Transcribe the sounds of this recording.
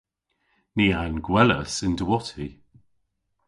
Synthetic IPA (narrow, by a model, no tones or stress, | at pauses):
niːanɡwɛlə̰sɪndəwɔtʰi